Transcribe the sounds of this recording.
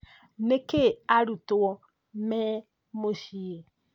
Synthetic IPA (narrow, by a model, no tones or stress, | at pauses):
nekeaɾutwɔ | mɛ | moʃie